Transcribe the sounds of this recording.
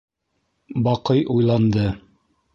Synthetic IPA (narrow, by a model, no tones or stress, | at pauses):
bɑqɤjʔujlˠɑnd̪ɤ